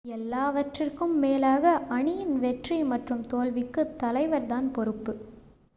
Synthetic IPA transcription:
ɛlːaːʋɐʈrɪrkɯmːeːlaːɣɐʔɐɳɪjɪnʋɛʈrimɐʈrɯmt̪oːlʋɪkːɯt̪ɐlɐɪʋɐɾt̪aːnpɔɾɯpːɯ

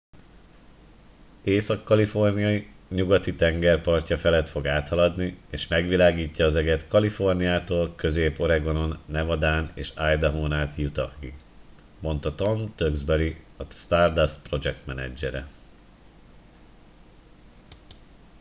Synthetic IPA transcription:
eːsɒkːɒlifo̞rnijɒji | ɲuɡɒt̪it̪ɛŋɡɛrpɒrcɒfɛlɛt̪fo̞ɡaːt̪hɒlɒd̪nieːʃmɛɡʋilaːɡiːcːɒːzɛɡɛt̪kɒlifo̞rnijaːt̪oːlkø̞zeːpo̞ɾɛɡo̞no̞nːɛvɒd̪aːnḛːʃaːjd̪ɒɦoːnaːt̪jut̪ɒhḭ | mo̞nt̪ɒt̪o̞mt̪øɡzbɛɾi | ɒst̪aːrd̪aspro̞d͡ʒɛk̚t̪mɛnɛ̰d͡ʒːɛɾɛ̰

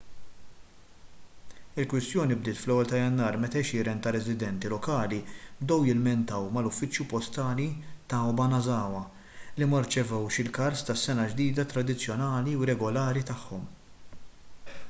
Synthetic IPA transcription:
ɪlkwɪst̪jɔːnibd̪ɪːt̪flɛwːɛlt̪ɐjɐnːɐːɾmɛt̪ɛʃɪɾɛnt̪ɐɾɛzɪd̪ɛnt̪ilɔkɐːlibd̪ɛwjɪlmɛnt̪ɐwmɐlʊfːɪt͡ʃːjupɔst̪ɐːlit̪ɐbɐnɐzɐːwɐ | limɐɾt͡ʃɛvɛwʃɪlkɐɾst̪ɐsːɛnɐd͡ʒd̪iːd̪ɐt̪ɾɐd̪ɪt͡sːjɔnɐːliuɾɛɡɔlɐːɾit̪ɐħːɔm

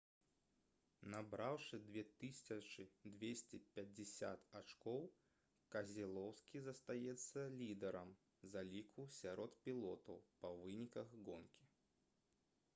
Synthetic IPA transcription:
nabɾawʂɨd̪vʲɛt̪ɨsʲsʲɐt͡ʂɨd̪vʲesʲt͡sʲɛpʲɐd͡zʲɪsʲa̰t̪at͡ʂkɔw | kɐzʲilˠɔwskʲizɐst̪ajɛt̪sːɐlʲid̪ɛɾɐm | zalʲikʰusʲaɾɔt̪pʲilˠɔt̪ɐwpɐvɨnʲikɐɣɡɔnkʲi

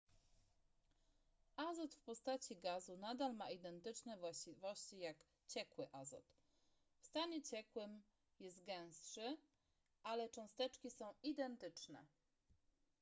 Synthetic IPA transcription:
ʔazɔt̪fpɔst̪at͡ɕiɡazunad̪almaid̪ɛnt̪ɘt͡ʂnɛvwaɕt͡ɕivɔɕt͡ɕijak | t͡ɕɛkwɘʔazɔ̰t̪ | fst̪aɲɛt͡ɕɛkwɘm | jɛst̪ɡɛ̃w̃stʂɘ | ʔalɛt͡ʂɔ̃w̃st̪ɛt͡ʂkʲisɔ̃w̃id̪ɛnt̪ɘt͡ʂnɛ̰

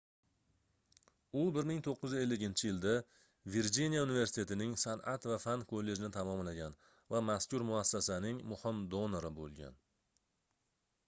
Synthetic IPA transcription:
ʊbɪɾmɪŋt̪ʰoqːʊzɪe̞lːɪɡʲɪnt͡ʃʰɪjɪld̪a | veɾd͡ʒinijaunɪveɾsɪ̥t̪ʰe̞t̪ɪnɪŋsana̰t̪vafankʰolːe̞d͡ʒɪnɪt̪ʰamɒmlaɡʲan | vamaskʲʊɾmʊasːasanɪŋmʊhɪmd̪onoɾɪbolˠɡʲa̰n

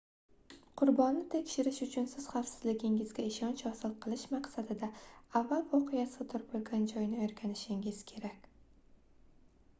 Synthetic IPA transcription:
qʰʊɾbɒnːɪt̪ʰe̞kʲʃɪɾɪʃʊt͡ʃʰʊnsɪz̥χafsɪzlɪɡʲɪŋɪzɡʲaɪʃɒnt͡ʃɒsɪlˠqʰɨlˠɪʃmaqsad̪ɪd̪aavːalˠvɒqʰɨjasɪt̪ʰʊɾbolˠɡʲand͡ʒɒjnɪeɾɡʲʰanɪʃɪŋɪz̥kʲʰe̞ɾakʲ

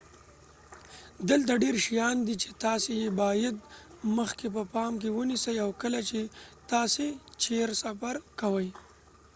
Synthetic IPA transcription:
d̪əlt̪aɖeɾʃijɑnd̪it͡ʃe̥t̪ɑsejebɑjad̪məxkep̬əpɑmkewənisəjawkəlat͡ʃet̪ɑset͡ʃeɾsafaɾkawəj

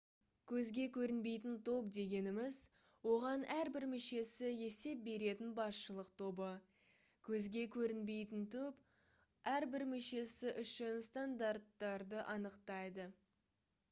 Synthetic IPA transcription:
kʲʰɵzɡʲe̞kʲʰɵɾɪnbe̞jt̪ɪnt̪ʰo̞pd̪e̞ɡʲe̞nɪmɪzwo̞ʁɑnʔæɾbɪɾmʏʃe̞sɪje̞se̞p̚be̞ɾe̞t̪ɪnbɑsʃəlˠəqt̪ʰo̞bə | kʲʰɵzɡʲe̞kʲʰɵɾɪnbe̞jt̪ɪnt̪ʰɵp | æɾbɪɾmʏʃe̞sɪʔʏʃɪnst̪and̪art̪ːɑɾd̪əʔɑnəqt̪ɑjd̪ə

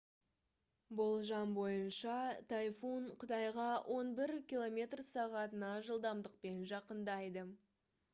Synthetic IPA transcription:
bʊlˠʒɑmbo̞jənʃɑt̪ʰajfunqʰət̪ɑjʁɑwʔo̞nbɪɾkʲilˠo̞mʲe̞t̪rsɑʁɑt̪ənɑʒəlˠd̪ɑmd̪əq̚pe̞nʒɑqənd̪ɑjd̪ə

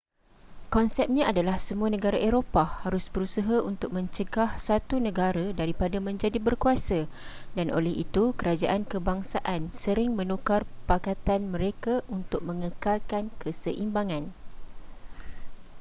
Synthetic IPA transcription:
kɔnsɛp̚ɲãʔadalahsəmũanə̃ɡaɾaʔeɾopahaɾʊsbəɾusaɦaʔunt̪ʊk̚mə̃ɲt͡ʃəɡahsat̪unə̃ɡaɾadaɾipadamə̃ɲd͡ʒadibərkuasadanʔo̰lɛhḭt̪ukəɾad͡ʒaʔankəbaŋsaʔansəɾɪŋmə̃nũkarpakat̪anmə̃ɾekaʔunt̪ʊk̚mə̃ŋə̃kalkankəsəʔimbaŋãn

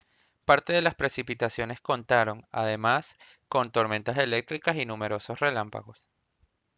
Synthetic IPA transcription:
paɾt̪e̞ðe̞laspɾe̞sipit̪asjo̞ne̞sko̞nt̪aɾo̞ŋa̰ð̞e̞mas | ko̞nt̪o̞ɾme̞nt̪ase̞le̞k̚t̪ɾikasinumeɾo̞so̞sre̞lampa̰ɣo̞s

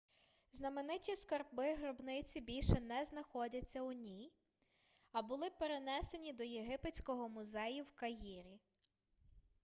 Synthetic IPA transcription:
znɐmenɪtʲiskɐrbɪɦɾɔbnɪt͡sʲibʲilʲʃɛnɛznɐxɔdʲɐt͡sʲːɐʊnʲij | ɐbʊlˠɪpeɾe̞nɛse̞nʲid̪ɔjeɦɪpet͡sʲkɔɦɔmʊzɛjʊwkɐjiɾʲi

